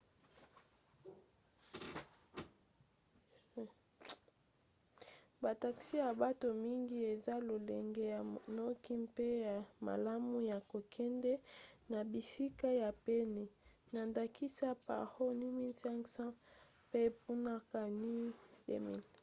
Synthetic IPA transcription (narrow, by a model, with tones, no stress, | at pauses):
ba˨ta˨ksi˦ja˨ba˦to˨mi˦ŋɡi˦e˨za˦lo˨lɛ˨ŋɡe˦ja˨no˦ki˦mpe˦ja˨ma̰˨la˦mu˦ja˨ko˨kʰɛ˦ndɛ˦na˨bi˨si˦ka˦ja˨pe˦ni˨ | na˨nda˨ki˦sa˦pa̰˨ho˦ni˦mi˦lsɛ˦ŋksã˦ | pe˦pu˦na˦ka˨ni˦dḛ˦˨mḭ˨l